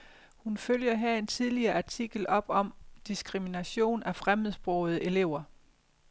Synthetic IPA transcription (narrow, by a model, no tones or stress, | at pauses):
hunføljɐɦæɐ̰e̝nt͡sʰiðˠliɐːʔɑ̈t͡sʰiɡ̥l̩ɒ̽b̥ɒ̽md̥isɡ̥ʁiminæɕo̝̰ːnæfʁamð̩ˠsb̥ʁɔʊð̩ˠəʔe̝le̝ʊ̰ɐ